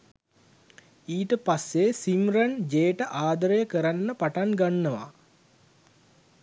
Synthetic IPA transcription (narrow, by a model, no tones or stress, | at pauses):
iːʈəpasːesimrənd͡ʒeːʈəʔaːd̪əɾəjəkəɾanːəpaʈanɡanːəʋa̰